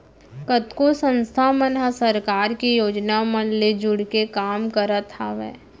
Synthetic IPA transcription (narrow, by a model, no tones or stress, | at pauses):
kət̪kosə̃nst̪ʰamənɦəsəɾkaːɾkijoːd͡ʒnamənled͡ʒʊɽkekaːmkəɾət̪haʋɛ̰ː